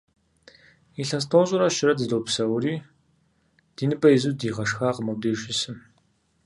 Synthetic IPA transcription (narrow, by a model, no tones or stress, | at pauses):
iɬɐst̪ʰoːɕʼʊɾɐʃɪɾɐdɨdopsɐwɾiː | d̥iːnɨbɐizudiːʁɐʂxaːqəmɐw̚deːʃɪsɨm